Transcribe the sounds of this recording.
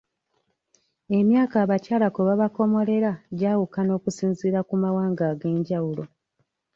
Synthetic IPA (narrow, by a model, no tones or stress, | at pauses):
e̞mjaːkaːβacaːlakoβaβako̞mo̞le̞ɾaɟaːwukano̞ːkusiːnziːɾakumawaːŋɡaːɡe̞ːɲɟawulo̞